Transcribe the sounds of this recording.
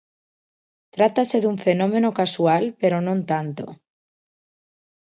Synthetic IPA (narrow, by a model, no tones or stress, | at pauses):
t̪ɾat̪ase̞ðuɱfe̞nõ̞me̞nokaswalpe̞ɾo̞nont̪ant̪o̰